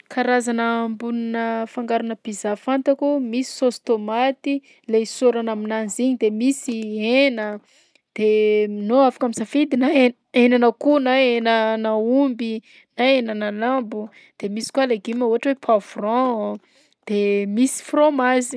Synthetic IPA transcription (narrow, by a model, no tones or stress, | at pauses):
kʰaɾazanəːmbuninəfaŋɡaɾunəbizafant̪akumisi̥sost̪omat̪i | lesoɾanaminanziɲid̪emisienə | d̪̥enoafḁkamisafid̪inae | enanəkunaenənaumbi | naenənalambu | d̪̥emisi̥kwaleɡimauɦaʈ͡ʂwepʰavrɔ̃ | d̪̥emisi̥fromazi̥